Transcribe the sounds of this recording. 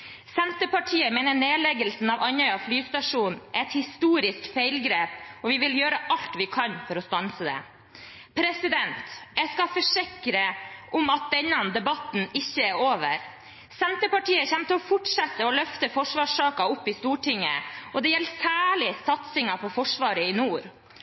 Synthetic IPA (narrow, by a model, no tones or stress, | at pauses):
sɛnt̪əpɑʈʰiːəmeːnəɳeːlɛɡəlsn̩ɑʋɑnœʏɑflyːst̪ɑʂuːnɛɛt̪hɪst̪uːɾɪskfeɪlɡɾeːpɔʋɪʋɪljøːɾəʔɑlt̪ʋɪkʰɑnfɔɾɔst̪ɑnsəd̪ɛ̰ | pʰɾɛsɪd̪ɛnt̪jæskɑfɔʂɪkɾəʔʊmɑt̪̚d̪ɛnːɑnd̪ɛbɑt̪n̩ɪçːəæɾoːʋə̰ɾ | sɛnt̪əpɑʈiːəçɛmt̪əɔfʊʈʂɑt̪ːəɔlœft̪əfɔʂʋɑːʂɑːkɑʊpːɪst̪uːʈɪŋːə̰ʔɔd̪ɛjɛlsæːɭɪsɑt̪sɪŋɑpʰɔfɔʂʋɑːɾəɪnuːɾ